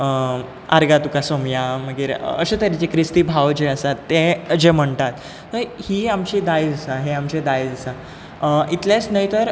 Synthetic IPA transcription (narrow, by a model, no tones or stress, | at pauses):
ə | a̰ɾɡat̪ukasomjaməɡiːɾə̰ɕet̪aɾat͡ɕekɾist̪iːbʱaʋd͡ʑeəsat̪ːeəd͡ʑem̤əɳt̪at̪ː | əɾhiːamt͡ɕid̪ajd͡zəsaɦeamt͡ɕed̪ajd͡zəsa | it̪ljet͡snəjt̪əɾ